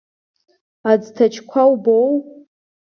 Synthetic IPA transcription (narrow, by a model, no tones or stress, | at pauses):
ad͡ztʰat͡ʃʰkʷʰawbow